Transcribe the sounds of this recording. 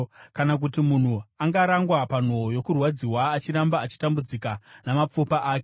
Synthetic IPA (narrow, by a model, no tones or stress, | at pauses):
kanak̬utimun̤uaŋɡaɾaŋɡwapan̤oojo̞kurwad͡ziwaːt͡ʃiɾambaːt͡ʃi̥tambud͡zikanamap͡fupaʔaːke